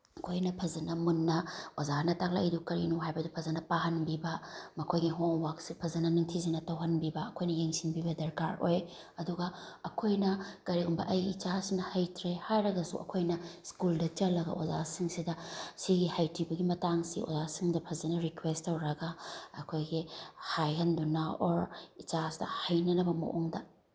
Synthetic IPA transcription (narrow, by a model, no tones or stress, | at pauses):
ɐkʰojnɐpʰɐzɐnɐmunːɐozanɐtak̚la̰idukɐɾinuɦajbɐdupʰɐzɐnɐpahɐnbibɐmɐkʰojɡiɦoŋwaksipʰɐzɐnɐniŋtʰizɐnɐtɐwɦɐnbibɐɐkʰojnɐjeŋsinbibɐdɐɾkaɾo̰j | ɐduɡɐɐkʰojnɐkɐɾiɡumbɐ̰ʔɐjit͡ʃasinɐhɐjtʰɾehajɾɐɡɐsṵʔɐ̰kʰojnɐskuldɐt͡ʃɐlːɐɡɐ̰ʔozasiŋsidɐsiɡihajtʰibɐɡimɐtaŋsḭo̰zasiŋdɐpʰɐzɐnɐɾikwestːɐwɾɐɡɐɐkʰojɡihajɦɐndunɐoɾit͡ʃasi̥dɐ̰hɐjnɐnɐbɐmɐ̰ʔoŋdɐ